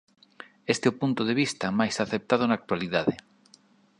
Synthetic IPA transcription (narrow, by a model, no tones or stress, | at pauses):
est̪eopunt̪oðeβ̞ist̪amajsaθep̚t̪að̞onak̚t̪waliðaðe